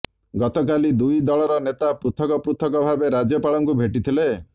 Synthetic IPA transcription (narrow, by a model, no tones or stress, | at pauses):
ɡɔt̪ɔkalid̪ujd̪ɔɭɔɾɔnet̪apɾut̪ʰɔkɔpɾut̪ʰɔkɔbʱabeɾad͡ʒɔpaɭɔŋkubʱeʈit̪ʰile